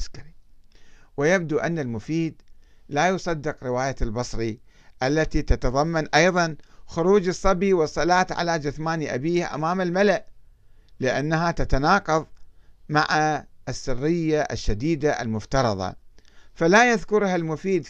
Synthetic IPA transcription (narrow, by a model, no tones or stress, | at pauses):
skaɾi | wɪjab̚d̪uʔanːalmʊfiːd̪laːjʊsˤɑd̪ːɪqɾɪwaːjalbɑsˤɾiʔalːat̪it̪at̪ɑðˤɑmːanʔɑjðˤɑnxʊɾuːd͡ʒɨsˤːɑbiwɨsˤːɑlaːt̪ʕa̰lad͡ʒʊθmaːniʔa̰biːhʔa̰maːmalmalaʔ | lɪʔanːaɦat̪at̪anɑːqɑðˤmaʕaʔɪsːɪrːɪjːaʔa̰ʃːad̪iːd̪aʔa̰lmʊft̪ɑɾˤɑ̰ðˤɑ̰falajaðkʊɾhalmʊfiːd̪